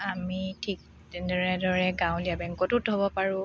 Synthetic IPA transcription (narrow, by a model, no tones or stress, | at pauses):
amitʰik̚ | dɛnɔɹɛdɔɹɛɡãw̃liabɛŋkɔtʊtɦɔbɔpaɹʊ̃